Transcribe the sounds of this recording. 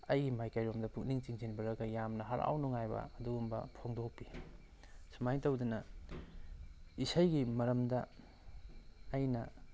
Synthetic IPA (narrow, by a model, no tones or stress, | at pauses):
ɐjɡimajkɐjɾomdɐpuk̚niŋt͡ʃiŋt͡ʃinbɐɾɐɡɐjamnɐɦaɾʔa̰wnoŋajbɐ̰ɐduɡumbɐ̰pʰoŋdok̚pi | sumajtɐwdunɐ | isajɡimɐɾɐmdɐ | jnɐ